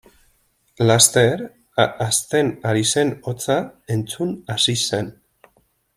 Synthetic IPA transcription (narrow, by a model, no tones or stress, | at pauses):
last̪e̞ɾ | ast̪e̞naɾise̞no̞t͡sae̞nt͡sunasise̞n